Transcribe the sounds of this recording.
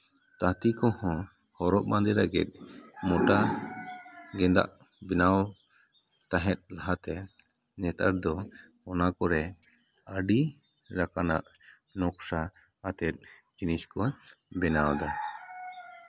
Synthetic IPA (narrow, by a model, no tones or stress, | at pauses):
t̪at̪ikɔ̃hɔ̃ | hɔɾɔʔ̚mãnd̪ɛɾaɡɛ̰t̪̚ˀmɔʈa | ɡɛd̪a̰ʔ | bɛnaw | t̪aɦɛt̪̚ˀlaɦat̪ɛ | nɛt̪a̰ɾd̪ɔ | ɔnakɔɾɛ | əɖi | ɾakana̰ʔ | nɔksaː | t̪ɛt̪̚ˀd͡ʒiniskɔbɛnawd̪a